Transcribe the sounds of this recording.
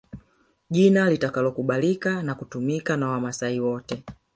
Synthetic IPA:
ʄinalitakalɔkuɓalikanakutumikanawamasaiwɔtɛ

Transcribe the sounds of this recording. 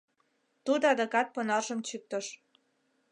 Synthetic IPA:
t̪ud̪oɑd̪ekɑt̪̚ponɑrʒə̆mt͡ɕyk̚t̪əʃ

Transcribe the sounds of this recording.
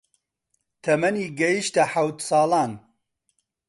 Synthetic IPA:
t̪ʰɐmɐniːɡɐjiʃt̪ɐħawt̪sɑːlɑːn

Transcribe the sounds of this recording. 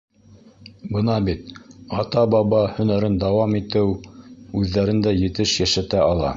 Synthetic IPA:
bɤnɑbit̪ɑt̪ɑbɑβɑhɵ̆næɾɘnd̪ɑwɑmit̪ɘwʉðːæɾɘ̆nd̪æjɘ̆t̪ɘʃjæʃæt̪æɑlˠɑ̰

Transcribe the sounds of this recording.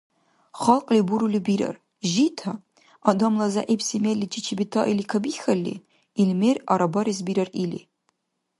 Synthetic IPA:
χɐlqʼlibuɾulibiɾɐ̰r | ʒitʰa | adɐmlɐzɐ̰ʔepsimelːit͡ʃʰit͡ʃʰibitʰaʔilikʰɐbixɐlːḭ | ilmeraɾɐbɐɾizbiɾɐrilḭ

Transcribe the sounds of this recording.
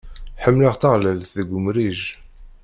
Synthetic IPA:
ħəmːləʁt̪əʁləlθðəɡʷʊmɾiʒ

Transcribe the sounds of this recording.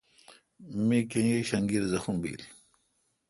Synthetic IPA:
mikẽjiɕɐŋɡiɾzɐxumbḭːl

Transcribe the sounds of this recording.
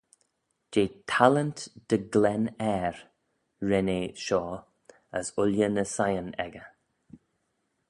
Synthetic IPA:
d͡ʒeːt̪ʰalənt̪d̥əɡlɛnɛːɾ | ɹɛneʃɔː | əsʊljənəsajənɛ̰ɡə

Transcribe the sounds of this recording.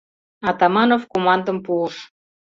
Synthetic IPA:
ɑt̪ɑmɑnofkomɑnd̪ə̆mpuəʃ

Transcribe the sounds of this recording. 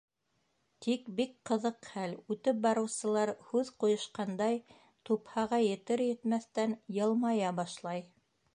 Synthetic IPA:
t̪ikbik̚qɤ̆ðɤqχælʉt̪ɘp̚bɑɾɤ̆wsɤ̆lˠɑɾhʉðqujɤ̆ʃqɑnd̪ɑj | t̪uphɑʁɑjɘ̆t̪ɘɾjɘ̆t̪mæθt̪ænjɤ̆lˠmɑjɑbɑʃlˠɑj

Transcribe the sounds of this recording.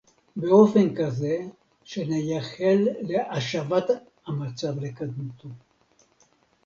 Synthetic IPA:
beo̞fe̞nkaze̞ | ʃenejaχelːeʔaʃavat̪ | hamat͡savlekad̪mut̪ʰo

